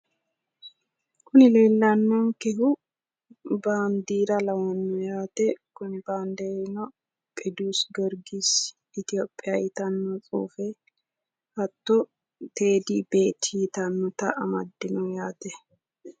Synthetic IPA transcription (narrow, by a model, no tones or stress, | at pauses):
kʊnɪle̞ːlːɐnːɔŋkɛɦʊ | baːnd̪iːɾɐlɐwɐnːɔjaːt̪ɛkʊnɪbaːnd̪ɛnɔ | pʼɛd̪uːsɡɔɾɡis | ɪt̪ɪjoːpʼːɪjɐjɪt̪ɐnːɔt͡sʼṵːfɛ | hɐt̪ːɔ | t̪e̞ːd̪ibe̞ːt̪ːjɪt̪ɐnːɔt̪ɐʔɐmɐ̰d̪ːɪnɔjaːt̪ɛ